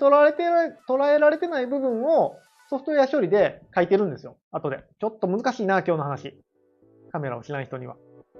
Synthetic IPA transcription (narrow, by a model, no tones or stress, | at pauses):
t̪oɾaet̪et̪o̞ɾae̞ɾaɾe̞t̪e̞naibɯ̟bɯ̟̃ɰ̃o̞ | so̞ɸɯ̥t̪ojaɕo̞ɾʲid̪e̞kait̪e̞ɾɯ̟̃nd̪e̞sɨjo̞ | at̪o̞d̪e̞̰t͡ɕo̞t̪ːo̞mɯ̟zɨkaɕiːnaːkʲo̞ːno̞ɦanaɕi | kame̞ɾa̰o̞ɕinaiçi̥t̪o̞ɲḭβa̰